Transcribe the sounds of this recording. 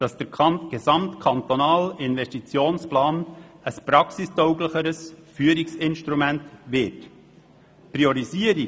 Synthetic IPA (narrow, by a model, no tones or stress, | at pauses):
d̥ɑsd̥əɾkʰɑmtɡ̥ɛzɑmt̪kʰɑnt̪onaːlɪnvɛʃtit͡sjoːnsplaːn | əspɾɑksistɔʊɡləχəɾəsfyːəɾiksɪnʃtɾumɛntvɪɾt | pɾiɔɾiziəɾi